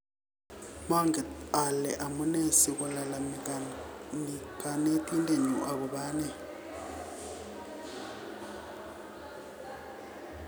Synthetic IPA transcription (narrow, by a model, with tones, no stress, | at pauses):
ma˦ŋɛ˨a˨lɛ˨ʔa˨mu˦ne˦si˨k̬ʼu˨la˨la˨ | mikʼa˨ne˦tʼi˦ndʼe˨ɲu˨ʔa˨k̬ɔ˨ɓaː˦nɛ˦